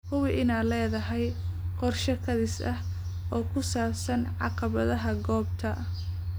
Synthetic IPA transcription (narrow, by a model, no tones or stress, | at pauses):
kʰʊwɪʔɪnaːlɛːðɐɦɛjqɔrʃɐkʰɐðɪsɐh | ʔɔːkʰʊsaːbsɐnʕɑqɑβɐðɐɦɐɡɔːbt̪ʰɐʔ